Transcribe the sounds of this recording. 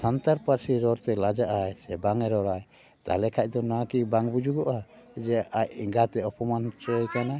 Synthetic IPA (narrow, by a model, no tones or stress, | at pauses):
sant̪aɾpaɾsiɾɔɾt̪ɛlad͡ʒaʔajsɛbaŋɛɾɔɾaj | t̪a̰lɛkʰac̚ˀd̪ɔnakibaŋbud͡ʒuɡɔʔa | d͡ʒɛʔac̚iŋɡat̪ɛɔpɔmant͡ʃɔjkana